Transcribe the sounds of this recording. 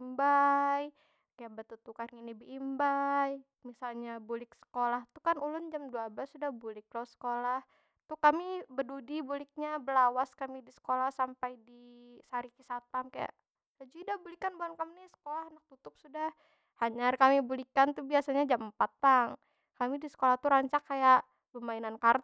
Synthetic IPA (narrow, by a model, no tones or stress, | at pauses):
mbaj | kajaʔbət̪ut̪ukarinibəimbaj | misalɲabulɪk̚sə̥kolaht̪ukanulʊnd͡ʒamduablasudahbulɪk̚lasə̥kolah | t̪uhkamibədudibulɪk̚ɲabəlawaskamidisə̥kolahsampajdisaɾikisat̪amkaja̰ʔ | lad͡ʒidabulikanbuankaminisə̥kolahnak̚t̪ut̪ʊp̚sudah | haɲarkamibulikant̪ubiasaɲad͡ʒaməpat̪ːaŋ | kamidisə̥kolaht̪uɾaɲt͡ʃakːajaʔ | bəmainankar